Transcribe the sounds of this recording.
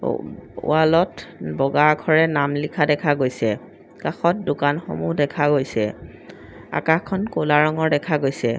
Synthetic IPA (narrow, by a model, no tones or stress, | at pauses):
ʊ̰alɔtbɔɡakʰɔɹɛnamlikʰadɛkʰaɡojsɛ | kaxɔtdʊkanxo̰muɦdɛkʰaɡojsɛ | a̰kaxkʰːɔnkolaɹɔŋɔɹdɛkʰaɡojsɛ